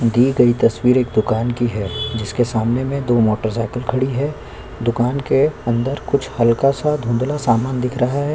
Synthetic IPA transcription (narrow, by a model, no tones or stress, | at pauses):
d̪iːɡɐit̪ɐswiːɾeːkd̪ʊkaːnkiɦɛd͡ʒɪskesaːmnemẽd̪oːmoːʈəɾsaːɪkəlkʰɐɽiɦɛː | d̪ʊkaːnkeɐ̃nd̪əɾkʊt͡ʃʰhɐlkasad̪ʱũːnd̪lasaːmaːnd̪ɪkʰɾɐɦaɦɛː